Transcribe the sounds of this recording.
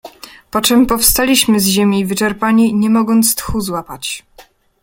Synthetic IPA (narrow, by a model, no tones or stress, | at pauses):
pɔt͡ʂɛmpɔfst̪alʲiɕmɘzʑemʲivɘt͡ʂɛɾpaɲiɲɛmɔɡɔnt̪st̪xuzwapat͡ɕ